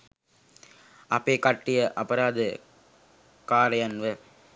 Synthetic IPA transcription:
ɐpeːkɐʈːijəʔɐpɐɾaːd̪ɨ | kaːɾɐjanʋə

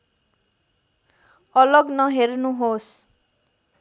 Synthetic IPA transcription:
ʌlʌɡnʌɦernuɦos

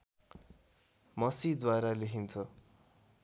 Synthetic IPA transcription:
mʌsid̪waɾalekʰint͡sʰʌ

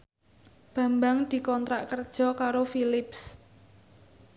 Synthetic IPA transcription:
b̥ä̤mbaŋd̪̥i̤kɔnt̪ɾaʔkərd̥ʒ̥ɔ̤kaɾofilɪps

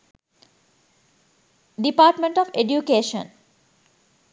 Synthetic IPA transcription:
ɖipaːʈmẽɳʈɔfeɖjukeːʃə̰̃n

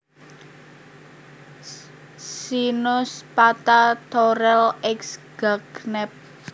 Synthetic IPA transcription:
sinʊspat̪at̪oɾɛlɛksɡ̥aɡnɛp̚

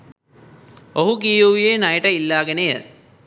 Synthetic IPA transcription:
oɦukijuijeːnɐjəʈəilːaːɡenejə

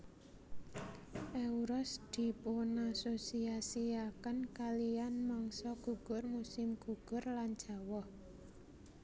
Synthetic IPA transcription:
ʔeuɾɔsd̪̥i̤punasosiasiakənkalianmɔŋsɔɡ̥ṳɡ̥ʊ̤rmusɪmɡ̥ṳɡ̥ʊ̤rland̥ʒ̥ä̤wɔh

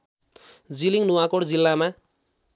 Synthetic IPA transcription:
d͡ziliŋnuwakoɽd͡zilːama

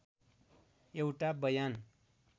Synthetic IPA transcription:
jewʈabʌjan

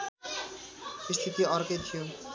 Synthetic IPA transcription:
ist̪ʰit̪iʌɾkʌjt̪ʰijo

